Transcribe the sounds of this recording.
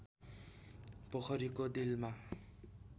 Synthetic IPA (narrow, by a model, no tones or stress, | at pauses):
pʌkʰʌɾikod̪ilma